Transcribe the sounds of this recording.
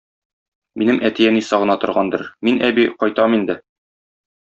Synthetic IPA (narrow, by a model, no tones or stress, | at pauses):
minɘmʔæt̪ijænisɒʁɤ̆nɑt̪ŏɾʁɑnd̪ɤɾminʔæbiqɒjt̪ɑmind̪ɘ